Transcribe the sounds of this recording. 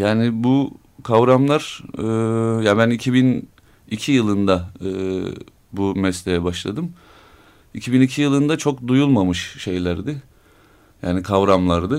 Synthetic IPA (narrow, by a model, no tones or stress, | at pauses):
jaːnɪbu | kʰavɾamlˠaɾ̥ɯjabænicʰibin | icʰijɯlˠɯnd̪aɯː | bumɛslʲejɛbaʃlˠa̰d̪ɯm | icʰibinicʰijɯlˠɯnd̪at͡ʃʰo̞kd̪ujulˠmamɯʃʃe̞jlʲæɾd̪ɪ | ja̰ːnikʰavɾamlˠaɾd̪ɯ